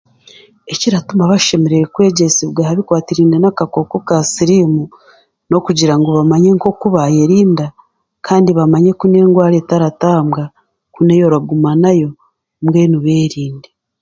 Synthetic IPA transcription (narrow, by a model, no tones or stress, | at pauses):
e̞ciɾatumaβaʃe̞me̞ɾeɾekwe̞ːɟesiβɡahaβikwaːtiɾiːndenakako̞ko̞kasiɾimu | no̞kuɟiɾaŋɡoβamaɲe̞ŋko̞kuβaje̞ɾiːnda | kʰaːndiβamaɲe̞kune̞ːŋɡwaːɾetaɾataːmɡa | kune̞jo̞ɾaɡumanajo̞ | mɡe̞ːnuβe̞ːɾiːnde